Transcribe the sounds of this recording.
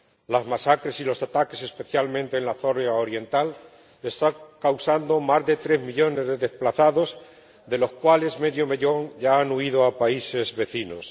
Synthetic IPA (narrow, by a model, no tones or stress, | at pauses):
lazmasakɾe̞silo̞sat̪ake̞se̞spe̞θjalmẽnt̪e̞ːnlaθo̞ɾaoɾje̞nt̪al | est̪akawsand̪o̞mazðe̞t̪ɾe̞zmiʎo̞ne̞zðe̞ðesplaθaðo̞z | d̪e̞lo̞skwale̞zme̞ðjome̞ʎo̞ŋɟ͡ʝaanuiðoapaise̞zβe̞θino̞s